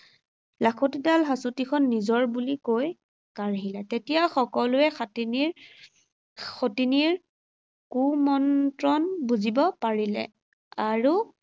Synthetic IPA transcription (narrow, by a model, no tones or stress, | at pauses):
lakʰotidalɦasutikʰɔnːizɔɹbulikoj | kaɹɦilɛtetijaxɔkɔlʊɛxatiniɹ | xotiniɹ | kumɔntɹɔnbuzibɔpaɹilɛ̰ | aɹu